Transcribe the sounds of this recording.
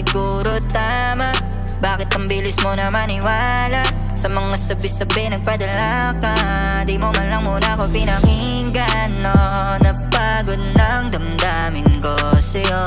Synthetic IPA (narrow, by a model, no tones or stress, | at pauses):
ɪɡu | ɾot̪a | ma | baːkɪt̪̚ʔɐmbiːlɪsmonɐmɐnɪwa | laʔ | sɐmɐŋasɐbɪsɐbɛnɐɡ̚pɐd̪ɐla | kɐ | d̪imomɐnlɐŋmuːnɐkopinɐŋi | ŋɡa | no | nɐpa | ɡod̪̚nɐŋd̪ɐmd̪a | mɪnkosɐo